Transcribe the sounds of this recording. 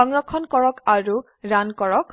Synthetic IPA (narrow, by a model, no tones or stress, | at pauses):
ɔŋɹɔkʰːɔnkɔɹɔkaɹu | ɹankɔɹɔk